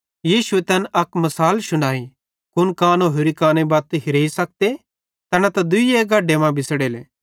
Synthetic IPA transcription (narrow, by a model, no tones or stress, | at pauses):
jiːʃuet̪ɛnɐkmɐsaːlʃʊɽ̃aːi | kʊnkaːnoɦʊɾikaːnebaːt̪ɦɪɾeːisɐk̚t̪e | t̪ɐnat̪ɐd̪ʊijeɡaːɖemãbɪsɽeːleː